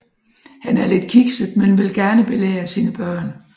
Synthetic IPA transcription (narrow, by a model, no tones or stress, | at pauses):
hænæɐle̝d̥kʰiɡ̥səd̥menʋe̝lɡ̥æɐnəb̥e̝lḛːɐsiːnəb̥ɶɐ̰n